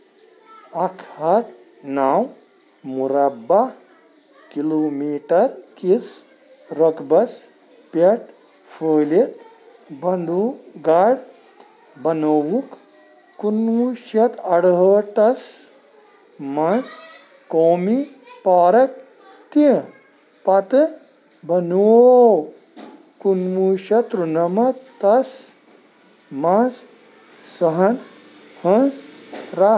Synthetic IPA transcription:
ɐkʰɐt̪ | naːw | muɾɐba | kiloːmiːʈɐɾkis | ɾokbɐs | pɐʈ | fʰəːlit̪ | bɐnd̪uɡaɽ | bɐnowukː | unːuʃɐt̪ɐɽɦəːʈɐs | mɐns | koːmi | paːɾɐk̚ | t̪i | pɐt̪ɨ | bɐnow | kunʋuʃɐt̪ɾunɐmɐt̪ɐs | mɐ̃ns | sɐɦɐn | hɐ̃nsɾa

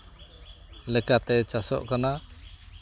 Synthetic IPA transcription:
lɛkat̪ɛt͡ʃasɔ̰ʔkana

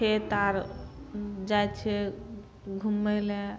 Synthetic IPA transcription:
et̪aɾ | d͡ʒajt͡ʃʰɛ | ɡʱumele

